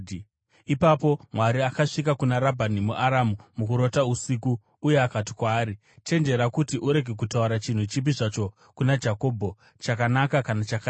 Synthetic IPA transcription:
ipapo̞mwaɾiakaʂik̬akunaɾabʱanimuʔaɾamumukuɾo̞tausikuː | je̞akat̬i̥kwaːɾi | t͡ʃe̞nd͡ʒe̞ɾakutiʔuɾe̞ɡʱe̞k̬utauɾat͡ʃin̤ut͡ʃip̬iʐat͡ʃo̞ | kunad͡ʒako̞ːbʱo̞ | t͡ʃakanakakanat͡ʃaka

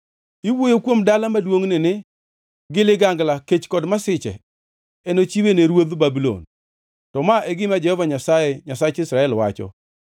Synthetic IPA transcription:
ɪwojokwomdalamadwoŋnɪnɪ | ɡɪlɪɡaŋɡlaket͡ʃkɔdmasɪt͡ʃɛ̰ | ɛnot͡ʃiweneɾwoðbabilo̰n | tɔmaʔɛɡɪmad͡ʒɛhɔvaɲasajɛɲasat͡ʃɪsɾaɛlwa̰t͡ʃɔ̰

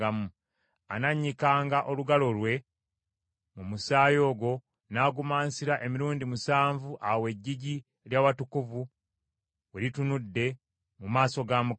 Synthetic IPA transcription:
amu | a̰naɲːikaːŋɡaʔo̞luɡalo̞lwe̞ | mumusaːjo̞ːɡo̞ | naːɡumaːnsiɾaʔe̞miɾuːndimusaːɱvuʔawe̞ɟːiɟi | ljaːwatukuvu | weɾitunudːe̞ | mumaːso̞ɡamu

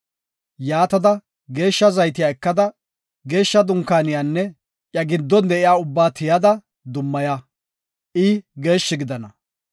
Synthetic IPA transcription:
jaːt̪ɐd̪ɐ | ɡe̞ːʃːɐzɐjt̪ɪjaːɛkːɐd̪ɐ | ɡe̞ːʃːɐd̪ʊŋkaːnɪjaːnːɛ | ʔjɐɡɪd̪ːɔnd̪ɛʔɪjaːʊbːaːt̪ɪjɐd̪ɐ | d̪ʊmːɐja | ʔɪɡe̞ːʃːɪɡɪd̪ɐnɐ

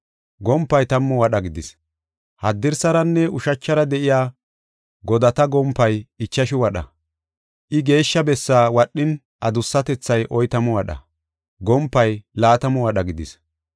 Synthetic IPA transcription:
ɡɔmpːɐjt̪ɐmːɔwɐɗɐɡɪd̪ɪs | hɐd̪ːɪɾsɐɾɐnːɛʊʃɐt͡ʃːɐɾɐd̪ɛʔɪjaː | ɡɔd̪ɐt̪ɐɡɔmpːɐjɪt͡ʃːɐʃɪwɐɗɐ̰ | ʔɪɡe̞ːʃːɐbɛsːaːwɐɗːɪn | ʔɐd̪ʊsːɐt̪ɛt͡sːɐjʔɔjt̪ɐmɔwɐɗɐ̰ | ɡɔmpːɐjlaːt̪ɐmɔwɐɗɐɡɪd̪ɪs

